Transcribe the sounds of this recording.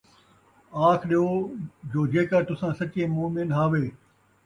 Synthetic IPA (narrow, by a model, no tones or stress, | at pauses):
aːkʰɗijoːd͡ʒoːd͡ʒeːkaːt̪ʊsãːsɐt͡ʃẽːmoːmɪnɦaːʋeː